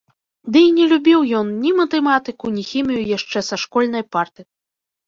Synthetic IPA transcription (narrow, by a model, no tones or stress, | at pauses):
d̪ɨinʲɛlʲubʲiwjɔnnʲimɐt̪ɛmat̪ɨkunʲixʲimʲijujaʂt͡ʂɛsaʂkɔlʲnɐjpart̪ɨ